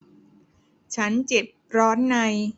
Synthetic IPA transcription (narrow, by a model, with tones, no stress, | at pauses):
t͡ɕʰa˦˥nt͡ɕe˨˩p̚ɾɔː˦˥nːa˧j